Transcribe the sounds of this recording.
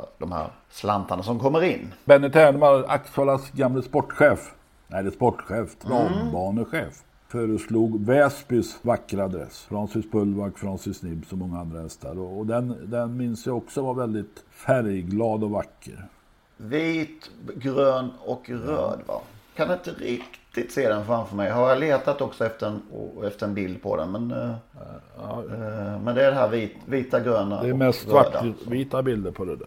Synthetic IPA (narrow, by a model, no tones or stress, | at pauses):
d̪ɔmhæ̰ɾ | sla̰nt̪anasɔmkʰɔmːəɾɪnːbɛnːəʈʰæːɳmaɾa̰ksɑlasɡamːləspɔʈːɧeːf | nɛd̪ɛspɔʈːɧeːft̪ʰɾɑːbɑːɳəɧeːf | fœːɾəsluːɡvɛspɪsvakːɾaad̪ɾɛ̰sfɾɑnsɪspɵlːvakfɾɑnsɪsnɪbsɔmːɔŋːaand̪ɾahɛst̪ʰa̰ɾɔːd̪ɛnd̪ɛnmɪnsjaɔksɔvaɾvɛld̪ɪt̪fæɾjɡlɑːd̪ɔvakʰːə̰ɾ | viːt̪ɡɾøːnɔkɾø̰ːd̪va̰kʰand̪ʊɪnt̪əɾɪkt̪ɪt̪seːd̪ɛnfɾamfœɾmɛjɦaɾjaleːt̪at̪ɔksɔɛft̪əɾɛnɛft̪əɾɛnbɪld̪̚pʰɔ̰d̪ɛ̰nmɛn | ɑ̰ːmɛnd̪ɛæɖɛɦæːɾviːt̪viːt̪aɡɾøːna̰d̪ɛːmɛst̪vaʈːviːt̪abɪld̪əɾpʰɔd̪ɛd̪æ̰